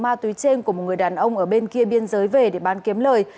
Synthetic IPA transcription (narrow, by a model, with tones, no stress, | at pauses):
maː˧t̪wi˨˦jt͡ɕe˧nku˧˩əmo˨˩t̚ŋɨ˨˩əjɗaː˨˩nʔə˧wŋ͡mʔəː˧˩ɓe˧nki˧əɓi˧ənzəː˨˦jve˨˩ɗe˧˩ɓaː˨˦nki˨˦əmləː˨˩j